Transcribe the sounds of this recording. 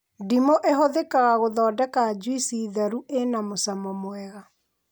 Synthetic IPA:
dimoʔeɦoðekaɣaɣoðɔːdɛkad͡ʒwisiːðaɾuʔenamosamɔmoɛɣa

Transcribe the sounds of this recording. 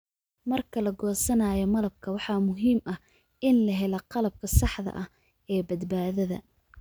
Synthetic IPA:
mɐrkʰɐlɐɡɔːsɐnaːjɔmɐlɐb̚kʰɐwɑħɑːmʊɦiːmʔɐh | ʔɪnlɐɦɛlɐqɑlɐb̚kʰɐsɑħðɐ̰ʔɐh | ɛːbɐd̪baːðɐðɐ̰

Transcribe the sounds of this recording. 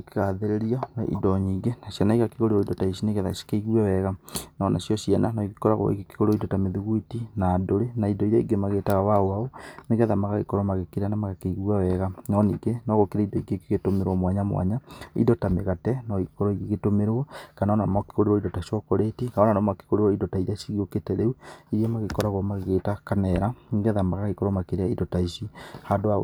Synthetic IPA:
keɣaðeɾeɾiana̰ʔḭdɔɲiːɡenasjanaiɣakeɣoɾeɔidɔtaisineɣɛðaskeiɣwawɛɣanɔna̰sjɔsjɛnanɔikikɔɾaɣo̰ḭekeɣoɾeɔidɔtameðuɣuitinaːdoɾenaidɔiɾɔiɡemaɣetaɣawaoaoneɣɛðamaɣaɣḛkɔɾɔmaɣekiɾanamaɣakeiɣwawɛɣanɔniɡenɔɣokeɾaindɔiɡeɡeɣetomeɾwɔmwaɲamwa̰ɲaḭdɔtameɣatɛnɔikɔɾɔiɣeɣetomeɾwɔkanaɔnamɔke̥ɣoɾewɔidɔtaʃɔkoɾetikaɔnanɔmake̥koɾewɔidɔtaiɾaʃiɣioketɛɾeuiɾiemaɣekɔɾaɣɔmaɣeɣeːtakanɛɾaŋɡɛðamaɣaɣekɔɾɔmakeɾeaidɔtaisihadoa

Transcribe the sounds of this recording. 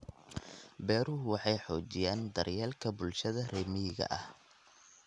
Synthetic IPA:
bɛːɾʊɦʊwɑħɑjħɔːt͡ʃɪjaːnd̪ɐrjɛːlkʰɐbʊlʃɐðɐrɛːmɪɣɐ̰ʔɐh

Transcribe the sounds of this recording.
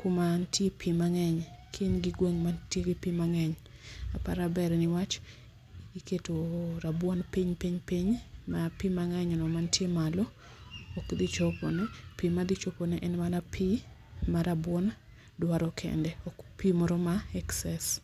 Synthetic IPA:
kumantʰjepʰimaŋɛɲkʰinɡɪɡweŋmantjeɡɪpimaŋɛɲ | a̰pa̰ɾabɛɾnɪwat͡ʃ | iketoɾabwɔnpiɲpiɲpiɲmapimaŋɛɲɔnɔmantjemalɔ | ɔkd̪ɪt͡ʃopɔ̰nɛpimad̪ɪt͡ʃoponɛʔɛnmanapʰi | maɾabwɔn | dwaɾɔkʰɛ̰ndɛɔkpimɔɾomaɛksɛs

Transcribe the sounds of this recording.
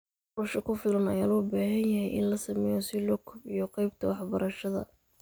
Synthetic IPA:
qɔːʃɐkʰʊfɪlɐnɐ̰jaːlɔːbaːɦɐnjɐɦɛjʔɪ̰nlɐsɐmɛjɔsɪlɔːkʰʊbɪjɔqɑjb̚t̪ʰɐwɑħbɐɾɐʃɐðɐ̰

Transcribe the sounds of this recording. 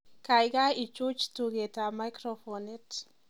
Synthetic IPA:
kajɡajit͡ʃut͡ʃtuɡetamajkɾofɔnɛt

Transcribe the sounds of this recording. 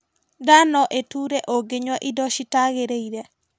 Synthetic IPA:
danɔʔetuɾɛʔoɡeɲwaʔidɔʃitaɣeɾeiɾɛ

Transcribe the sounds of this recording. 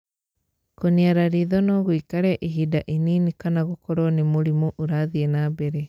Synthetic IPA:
koniaɾaɾiðɔnɔɣwikaɾɛʔiɦidaʔininikanaɣokɔɾɔnimuɾimoʔuɾaðienabeɾe

